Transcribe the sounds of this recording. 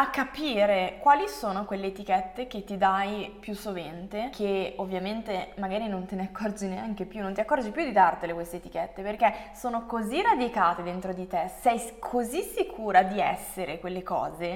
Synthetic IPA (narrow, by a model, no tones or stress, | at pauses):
akːapiːɾekwaːlisoːnokwelːeːt̪ik̟ɛt̪ːek̟et̪ːid̪ajpjusːovent̪ekʰeovːjament̪emaɡaːɾinont̪eneakːɔrd͡ʒineaŋk̟epjunːõnt̪iakːɔrd͡ʒipjud̪id̪art̪elekwest̪eːt̪i̥kɛt̪ːeperkesoːnokozirad̪ikaːt̪ed̪ent̪ɾod̪it̪esɛjkʰozisikʰuːɾad̪iɛ̰sːeɾʔekwelːekɔ̰ːze